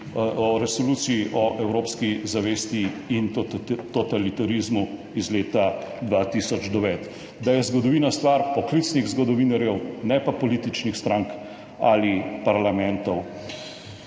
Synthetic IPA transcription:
ɔɾɛsɔluːt̪siiʔɔʔɛwɾoːpskizaʋeːst̪iint̪ɔt̪alit̪aɾizmu | izleːt̪ad̪ʋaːt̪isɔd͡ʒd̪ɔʋɛːt̪ | d̪ajɛzɡɔd̪ɔʋiːnast̪ʋaɾpɔklit̪sniɣzɡɔd̪ɔʋiːnaɾjɛwnɛpapɔliːt̪it͡ʃnixst̪ɾaŋk | alipaɾlamɛnt̪ɔw

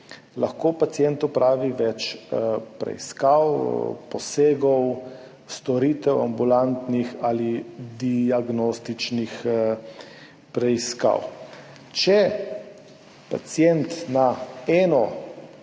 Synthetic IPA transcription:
laxkoːpat̪sjɛnt̪opɾʔaːʋiʋɛt͡ʃ | pɾɛ̰iskawpɔseːɡɔw | st̪ɔɾit̪ɛwa̰mbulant̪nixalid̪iaɡnost̪it͡ʃnix | pɾɛiska̰w | t͡ʃɛ | pa̰t̪sijɛnt̪naɛːnɔ

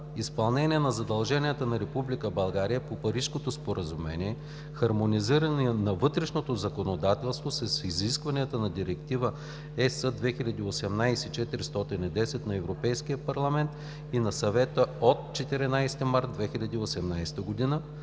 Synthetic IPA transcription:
ispɐlˠnɛniɛnɐzɐd̪ɐlˠʒɛniət̪ənɐɾɛpublikəbɐlˠɡaɾijəpopɐɾiʃkot̪ospoɾʔəzumɛ̰niɛ | xɐɾmoniziɾɐninɐvɤt̪ɾɛʃnot̪ozɐkonod̪at̪ɛlˠst̪vosɐsiziskvɐniət̪ənɐd̪iɾɛkt̪ivə | ɛsəd̪vɛxilʲɐd̪iːosɛmnajsɛt͡ʃɛt̪ɾist̪ɔt̪inid̪ɛsɛt̪nɐɛvɾopɛjskiəpɐɾlˠɐmɛnt̪ | inɐsɐvɛt̪əot̪t͡ʃɛt̪iɾɛnajst̪imaɾt̪d̪vɛxilʲɐd̪iosɛmnajst̪əɡod̪inə

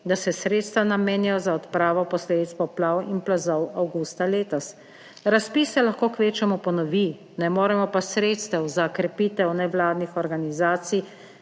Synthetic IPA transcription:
d̪asɛsɾeːt̪st̪ʋanameːnɛjɔzaɔt̪pɾaːʋɔpɔsleːd̪it̪spɔplawinplazɔwawɡuːst̪aleːt̪ɔs | ɾaspiːsɛlaxkoːkʋeːt͡ʃɛmupɔnɔʋi | nɛmoːɾɛmɔpasɾeːt̪st̪ɛwzakɾɛpiːt̪ɛwnɛʋlaːd̪nixɔɾɡanizaːt̪sij

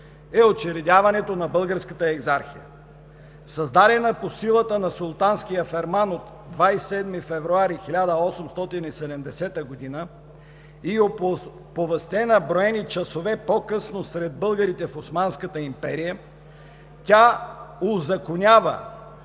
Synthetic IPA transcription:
ɛot͡ʃɛɾɛd̪ʲavɐnɛt̪onɐbɤlˠɡəɾskət̪əɛɡzaɾxijə̰ | sɐzd̪aɾɛnəposilˠət̪ənɐsolˠt̪anskijəfɛɾmanot̪ | d̪vajsɛd̪mifɛvɾuaɾixilʲad̪əɔsɛmst̪ɔt̪inisɛd̪ɛmd̪ɛsɛt̪əɡod̪inə | io | povɛst̪ɛnɐbɾoɛnit͡ʃɐsovɛpokɤsnosɾɛd̪̚bɤlˠɡəɾit̪ɛfosmanskət̪əimpɛɾijə | t̪ʲaozɐkonʲavə̰

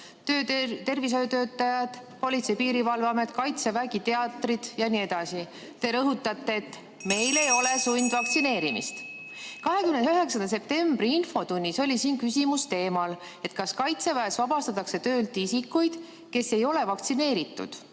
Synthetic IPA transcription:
t̪øːt̪e̞rvis̬ojot̪ø̞ːt̪ːˑɑjɑd̪̥po̞lʲit̪sejpiːɾivɑlvɑme̞t̪kɑjt̪se̞væɡit̪e̞ɑt̪ˑrid̪̥jɑnie̞d̪̥ɑsi | t̪e̞ɾɤɦut̪ːˑɑt̪ˑːe̞ːt̪ːˑ | me̞jle̞jo̞le̞sujnd̪̥vɑkt̪sine̞ːɾimḭst̪ | kɑɦe̞kymnenyɦe̞ksɑnd̪ɑs̬e̞p̚t̪e̞mb̥riinfo̞t̪unʲːiso̞lʲisiːnkysʲimust̪e̞ːmɑl | e̞t̪kɑskɑjt̪se̞væesvɑbɑst̪ɑt̪ːˑɑkse̞t̪ø̞ːlt̪ˑisikːujd̪̥ | ke̞se̞jo̞le̞vɑkt̪sine̞ːɾit̪ːˑṵd̪̥

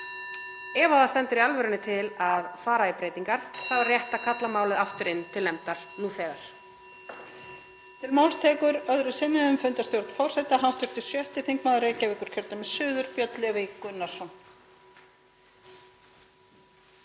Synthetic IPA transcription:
ɛːvaðast̪ɛnt̪ʏɾialvɛɾɪnːʏt̪ʰɪlaðfaːɾaipɾeːjt̪iŋkaɾ̥θavarjɛht̪akʰat̪lamaːwlɪðaft̪ʏɾɪnt̪ʰɪlːɛmt̪aɾ̥nuːθɛːɣaɾ̥ | t̪ʰɪlmaːwlst̪ʰɛːkʏɾœðɾʏsɪnːɪðʏmfʏnt̪ast̪jowɾt̪fɔr̥sɛjt̪aɦanst̪ʏɾ̥t̪ʏ̥sjœht̪ɪθiŋkmaːðɾeːjcavɪkʏɾ̥cʰɛɾt̪amɛsʏːðʏɾpjœt̪lɛvekʏnːḁsɔn

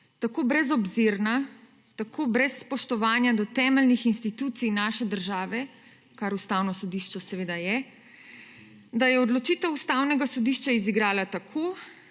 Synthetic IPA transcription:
t̪akoːbɾɛzɔbziɾna | t̪akʰoːbɾɛsːpɔʃt̪ɔʋaːnjad̪ɔt̪ɛːmɛlnixinst̪it̪uːt̪sijnaːʃɛd̪əɾʒaːʋɛ | kaɾust̪awnɔsɔd̪iʃt͡ʃɛsɛʋeːd̪ajɛ | d̪ajɛɔd̪lɔt͡ʃiːt̪ɛwust̪aːwnɛɡasɔd̪iʃt͡ʃaiziɡɾaːlat̪akʰoː

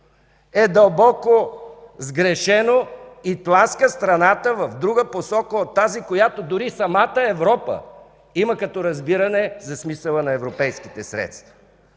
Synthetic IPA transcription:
ɛd̪ɐlˠbɔkozɡɾɛʃɛnoit̪lˠanskəst̪ɾɐnat̪əvɐfd̪ɾuɡəposɔkəot̪ːazikojat̪od̪ʊɾisɐmat̪əɛvɾɔpə̰ | iməkɐt̪ɔɾɐzbiɾɐnɛzɐsmisəlˠənɐɛvɾopɛjsk̟i̥t̪ɛsɾɛ̰t̪st̪vɐ̥

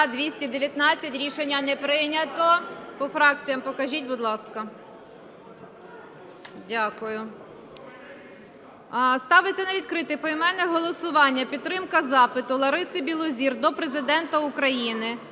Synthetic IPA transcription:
d̪ʋʲisʲtʲid̪eʋʲjɐt̪nɑt͡sʲːɐtʲɾʲiʃenʲːɐnɛpɾɪnʲɐt̪ɔpɔfɾɑk̚t͡sʲijɐmpɔkɐʒʲitʲbʊd̪lˠɑskɐ | dʲakʊjʊ | st̪ɑʋɪt͡sʲːɐnɐʋʲid̪kɾɪt̪ɪpɔimɛlʲnɛɦɔlˠɔsʊʋɑnʲːɐpʲid̪t̪ːɾɪmkɐzɑpɪt̪ʊlˠɐɾɪsɪbʲilˠɔzʲird̪ɔpɾezɪd̪ɛnt̪ɐʊkɾɐjinɪ

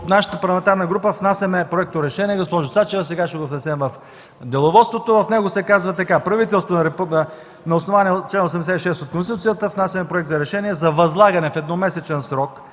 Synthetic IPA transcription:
naʃə̥t̪əpɐɾlˠɐmɛnt̪aɾnəɡɾupəfnasʲɐmɛpɾoɛk̚t̪oɾɛʃɛniɛɡospɔʒʊt̪sat͡ʃɛvəsɛɡaʃɛɡofnɛsɛmvɐf | d̪ɛlˠovɔt̪st̪vot̪ovɐfnɛɡʊsɛkazvɐt̪ɐkapɾɐvit̪ɛlˠst̪voɾɛpn | nɐosnovaniɛt͡ʃlɛnosɛmd̪ɛsɛt̪iʃɛst̪ot̪̚konst̪ʲt̪ut̪sijət̪əfnasʲɐmɛpɾoʊɛk̚t̪zɐɾɛʃɛniɛzɐvɐzlˠaɡɐnɛfɛd̪nɔmɛsɛt͡ʃɛnsɾɔk

